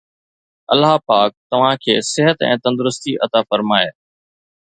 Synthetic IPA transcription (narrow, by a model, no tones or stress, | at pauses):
ɐlaɦpaːk̚t̪ɐʋ̤ãkʰeːsɪɦət̪ɛ̰̃ːt̪ɐ̃nd̪ʊɾʊst̪iʔɐt̪afɐɾmaːje